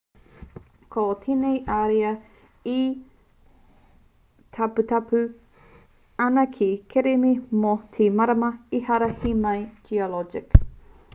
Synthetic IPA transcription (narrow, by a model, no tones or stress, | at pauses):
kʰotʰenejʔaɾeɐ | i | tʰaput̪ʰapʉ | anɐkʰikʰeɾemimotʰimɐɾɐmɐihɐɾɐhimɐjd͡ʒiolɔd͡ʒɪ̰k